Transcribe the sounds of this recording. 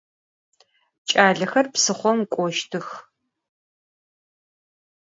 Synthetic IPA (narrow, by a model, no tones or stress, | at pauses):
t͡ʃʼaːɮɐxɐrpsɨχʷɔmkʷʼɔʃtʰɨx